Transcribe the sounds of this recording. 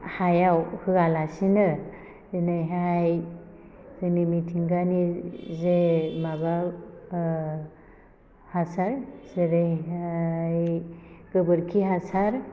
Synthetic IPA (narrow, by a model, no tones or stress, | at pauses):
hajawhɯɡalasinɯ | zinɯjɦaj | zɯnimitʰiŋɡanizemaba | hasaɾzeɾeɦajɡ̥ɯbɯɾkʰiɦasaɾ